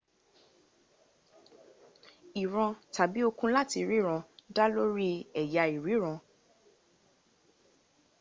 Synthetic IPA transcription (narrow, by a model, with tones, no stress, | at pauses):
i˨ɾ̃ã˧ta˨bi˨˦o˧kũ˧la˦ti˧ɾi˦ɾ̃ã˧da˦lo˦ɾi˦ɛ˨ja˧i˨ɾi˨˦ɾ̃ɔ̃˧